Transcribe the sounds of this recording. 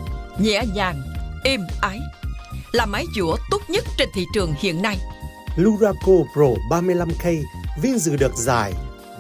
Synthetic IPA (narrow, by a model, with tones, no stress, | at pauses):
ɲɛ̰˧˥ɲaː˨˩ŋʔi˧mʔaː˨˦jlaː˨˩maː˨˦jzṵ˧˩ət̪o˦˥t̚ɲə˦˥t̚t͡ɕe˧nt̪ʰḭ˧˨t͡ɕɨ˨˩əŋhḭ˧˨ənːa˧j | lu˧zaː˧ko˧pzo˧˩ɓaː˧mɨ˧əjla˧mxə˧jvi˧ənzɨ̰˧˨ɗɨ˨˩ək̚zaː˨˩j